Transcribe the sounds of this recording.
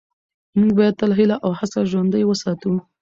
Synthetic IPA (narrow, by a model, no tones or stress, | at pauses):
muɡbɑjad̪̚t̪alɦilaʔawhasaʒwand̪əjwəsɑt̪u